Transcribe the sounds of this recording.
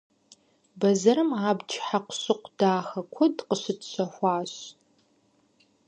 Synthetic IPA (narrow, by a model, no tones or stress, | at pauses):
bɐzɐɾɨmaːbt͡ʃʰħaqʷʊɕɨqʷd̥aːxɐkʷʰɔdqəɕɪtɕʷɐxʷɑːɕ